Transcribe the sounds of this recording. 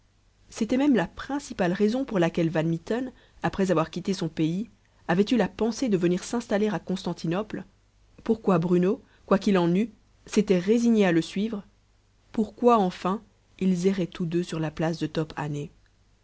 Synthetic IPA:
set̪ɛmɛmlapχɛ̃sipalʁezɔ̃puʁlakʲɛlvanmit̪ɔn | apχɛzavwaʁkʲit̪esɔ̃pei | avɛt̪ylapɑ̃sed̪əvəniʁsɛ̃st̪aleʁakɔ̃st̪ɑ̃t̪ʰinɔpl | puʁkwabʁyno | kwakilɑ̃ny | set̪ɛʁeziɲealəsɥivʁə | puʁkwaɑ̃fɛ̃ | ilzɛʁɛt̪ud̪øsyʁlaplasd̪ət̪ɔpʰa̰ne

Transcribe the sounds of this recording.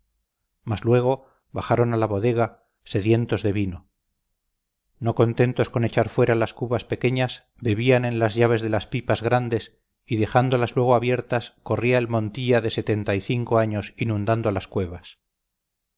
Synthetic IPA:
mazlwe̞ɣ̞o̞ | βaχaɾo̞nalaβo̞ðe̞ɣ̞a | se̞ðje̞nt̪o̞zðe̞βino | no̞ko̞nt̪e̞nt̪o̞sko̞ne̞t͡ʃaɾfwe̞ɾalaskuβaspe̞ke̞ɲas | be̞βianẽ̞nlazʝaβ̞e̞zðe̞laspipazɣɾand̪e̞s | iðe̞and̪olazlwe̞ɣ̞oaβje̞ɾt̪asko̞riaelmõ̞nt̪iʎaðe̞se̞t̪e̞nt̪aiθiŋko̞aɲo̞sinũnd̪and̪oalaskwe̞βas

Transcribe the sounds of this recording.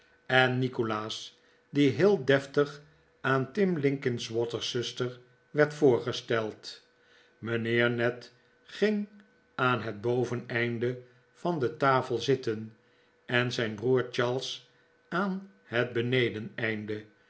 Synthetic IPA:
ɛnːikolaːs | diɦɪːlˠdɛftəχ | ʔaːntɪmlɪŋkɪnsʋɔtəɹsɵstəɹ | ʋɛɹtfʊːɹχəstɛlˠt | mənɪːɹnɛt | χɪŋ | aːnɦəd̚bowvənɛjndə | v̥ɑndətaːfəlˠzɪtən | ɛnzɛjnbruːɹt͡ʃɑlˠs | aːn | ɦət̚bənejdənɛjndə

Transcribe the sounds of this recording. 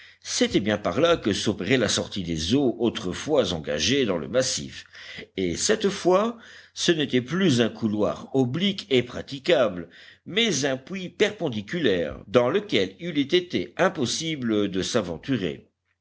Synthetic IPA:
set̪ɛbjɛ̃pa̰ʁlakəsopeʁɛlasɔʁt̪id̪ezoʔot̪χəfwazɑ̃ɡa̰ʒed̪ɑ̃lə̰masḭfesɛt̪fwasənet̪ɛplyzɛ̃kʰulwa̰ʁɔblikepχat̪ikabləmɛzɛ̃pwipɛʁpɑ̃d̪ikʲylɛ̰ʁd̪ɑ̃ləkʲɛlilɛt̪et̪ɛɛ̃pɔsibləd̪əsavɑ̰̃t̪yʁḛ

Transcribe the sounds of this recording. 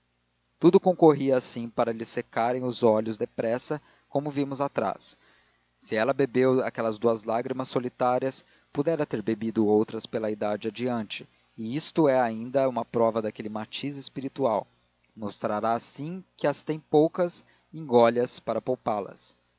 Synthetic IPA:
t̪ud̪ʊkõkoɦiɐːsĩpaɾɐlɪsekaɾẽj̃ʊzɔʎʊzd̪epɾɛsɐ | kõmʊvĩmʊzat̪ɾa̰sː | ɪɛlɐbebewa̰kɛlɐzd̪uɐzlaɡɾimɐsːolit̪aɾiɐs | pud̪ɛɾɐt̪eɾbebid̪ʊowt̪ɾɐspelɐid̪ad͡ʒɪad͡ʒiɐ̃nt͡ʃɪ̥ | ɪist̪ʊɛaĩnd̪ɐũmɐpɾɔvɐd̪akelɪmat͡ʃizɪspiɾit̪uaw | most̪ɾaɾaːsĩkɪɐst̪ẽj̃powkɐs | ĩŋɡɔʎɐspaɾɐpowpalɐ̰s

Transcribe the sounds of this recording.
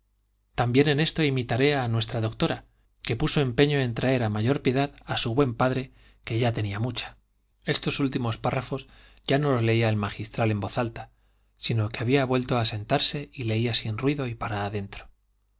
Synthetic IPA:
t̪ambje̞ne̞ne̞st̪o̞imit̪aɾe̞anwe̞st̪ɾaðo̞k̚t̪o̞ɾa | ke̞puso̞e̞mpe̞ɲo̞e̞nt̪ɾae̞ɾamaʝo̞ɾpje̞ðaðasuβwe̞mpaðɾe̞ | ke̞ʝat̪e̞niamut͡ʃḁ | e̞st̪o̞sult̪imo̞sparafo̞z | ɟ͡ʝano̞lo̞zle̞iaelmaxist̪ɾale̞mbo̞θalt̪a | sino̞keaβiaβwe̞lt̪o̞ase̞nt̪aɾse̞ile̞iasinrwiðo̞ipaɾaːðe̞nt̪ɾo̥

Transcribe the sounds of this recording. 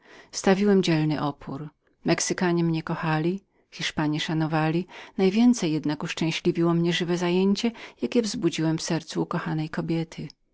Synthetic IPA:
st̪avʲiwɛmd͡ʑɛlnɘʔɔpʰuɾ | mɛksɘkaɲɛmɲɛkɔxalʲi | xʲiʂpaɲɛʂanɔvalʲinajvʲjɛnt̪sɛjːɛd̪nakuʂt͡ʂɛ̃w̃ɕlʲivʲiwɔmɲɛʐɘvɛzajeɲt͡ɕɛjakʲɛvzbud͡ʑiwɛmfsɛɾt̪suːkɔxanɛjkɔbʲjɛt̪ʰɘ

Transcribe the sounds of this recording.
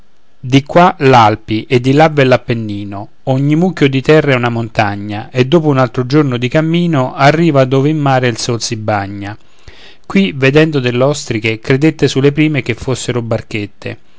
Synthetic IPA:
d̪ikwalalpiʔed̪ːilavːɛlːapːenːiːno | oɲːimukjod̪it̪ɛrːeɛunamont̪aɲːaʔed̪ːoːpounalt̪ɾod͡ʒornod̪ikamːiːnoʔarːiːvad̪oːveimːaːɾeilsolsibːaɲːa | kwived̪ɛnd̪od̪elːeɔst̪ɾikekɾed̪et̪ːesulːepɾiːmek̟efːosːeɾobarket̪ːḛ

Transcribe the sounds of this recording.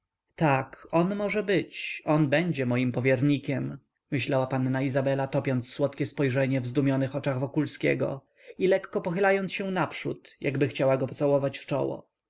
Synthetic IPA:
t̪akɔnmɔʐɛbɘt͡ɕɔnbɛɲd͡ʑɛmɔjimpɔvʲjɛɾɲikʲɛm | mɘɕlawapanːaizabɛlat̪ɔpʲjɔnt̪sːwɔt̪kʲɛspɔjʐɛɲɛvzd̪umʲjɔnɘxɔt͡ʂaɣvɔkulskʲɛ̰ɡɔ̰ | ilɛkːɔpɔxɘlajɔnsɕɛnapʂṵt̪ja̰ɡbɘxt͡ɕawaɡɔpɔt̪sawɔvat͡ɕft͡ʂɔ̰wɔ̰

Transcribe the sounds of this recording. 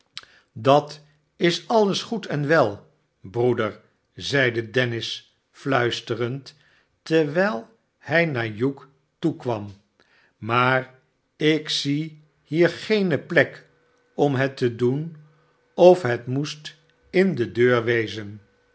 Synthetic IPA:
dɑt | ɪsɑləsχutɛnʋɛlˠ | brudəɹ | zɛjdədɛnɪs | flœɥstərənt | tɛɹʋɛjlˠ | hɛjnaːɹjuk | tukʋɑm | maːr | ɪksi | hiːɹχejnəplɛk | ɔmɦətədun | ɔfɦətmust | ɪndədøːɹʋejzən

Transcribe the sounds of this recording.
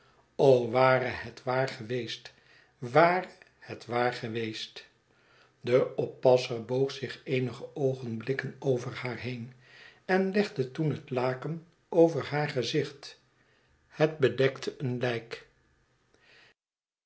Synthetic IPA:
owʋaːɾəhɛtʋaːɹχəʋejst | ʋaːrə | hətʋaːɹχəʋejst | dəʔɔpːɑsəɹbowχsɪχejnəχəʔowχənblɪkənowvəɹhaːɹɦejn | ɛnlɛχdətunɦətlaːkən | owvəɹɦaːɹχəzɪχt | hət̚bədɛktʰəʔənlɛjk

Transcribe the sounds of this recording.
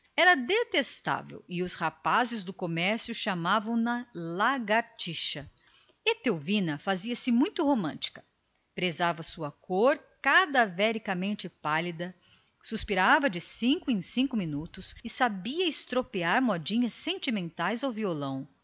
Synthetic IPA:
ɛɾɐd̪et̪est̪a̰vḛwɪʊshapazɪzd̪ʊkomɛɾsjʊʃamavɐ̃w̃nɐlaɡaɾt͡ʃiʃɐ | et̪ewvĩnɐfaziɐsɪmũj̃t̪ʊhomɐ̃nt͡ʃi̥kɐ̥ | pɾezavɐsuɐkoɾkad̪avɛɾikɐmẽnt͡ʃɪpalid̪ɐ | suspiɾavɐd͡ʒɪsĩŋkʊẽj̃sĩŋkʊminut̪ʊsɪsabiɐɪst̪ɾopiaɾmɔd͡ʒĩɲɐsːẽnt͡ʃimẽnt̪ajzawviolɐ̃w̃

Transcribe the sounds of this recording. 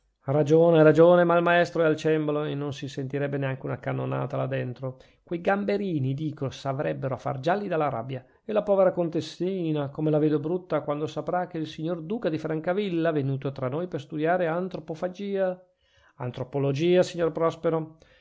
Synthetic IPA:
rad͡ʒoːneɾad͡ʒoːnemalmaɛst̪ɾoɛalt͡ʃɛmboloenːonsisent̪iɾɛbːeneaŋkeunakanːona̰ːt̪alad̪ːent̪ɾo | kwejɡambeɾiːnid̪iːkosavɾɛbːeɾoafːa̰rd͡ʒalːid̪alːaɾa̰bja | elapɔːveɾakont̪esiːnakomelaveːd̪obɾut̪ːakwand̪osapɾak̟eilsiɲːord̪uːkad̪ifɾaŋkavilːavenuːt̪ot̪ɾanːoːjperst̪ud̪jaːɾeant̪ɾopofad͡ʒiːa | a̰nt̪ɾopolod͡ʒiːasiɲːorpɾɔspeɾo

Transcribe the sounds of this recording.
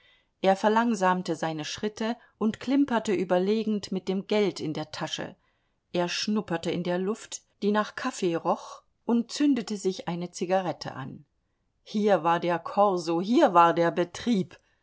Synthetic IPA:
ʔeːɐfɛɐlaŋzaːmtəzaɪnəʃʁ̥ɪtʰə | ʔʊntkʰl̥ɪmpɐtəʔyːbɐleːɡŋ̩tmɪt̚d̥eːmɡɛltɪndeːɐtʰaʃə̰ | ʔeːɐʃnʊpɐtəɪndeːɐlʊftd̥iːnaːχkʰafeːʁɔχ | ʔʊnt̚t͡sʏndətəzɪçʔaɪnət͡siɡaʁɛtʰə̰ʔa̰n | hiːɐvaːɐdeːɐkʰɔʁzoɦiːɐvaːɐdeːɐbətʁ̥iːp

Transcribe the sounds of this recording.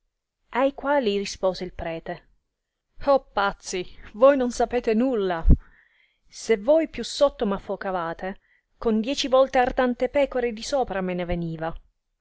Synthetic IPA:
ajkwaːlirispoːzeilpɾɛːt̪e | opːat̪sːivojnonsapeːt̪enulːa | sevːojpjusːot̪ːomafːokavaːt̪e | kond̪jɛːt͡ʃivɔlt̪eart̪ant̪epɛːkoɾed̪isoːpɾameneveniːva

